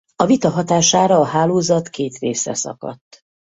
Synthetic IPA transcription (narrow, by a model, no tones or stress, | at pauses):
ɒvit̪ɒɦɒt̪aːʃaːɾɒːɦaːloːzɒt̪keːt̪reːsɛ̰sɒ̰kɒ̰t̪ː